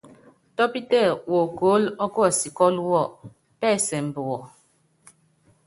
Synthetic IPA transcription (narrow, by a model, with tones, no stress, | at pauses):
tɔ˦pi˦tɛ˦˨wo˨ko˨˦lɔ˦kɔ˦a˨si˨kɔ˦lwɔ˦˨ | pɛ˦˨sɛ˨m̩˨bo˨wɔ˨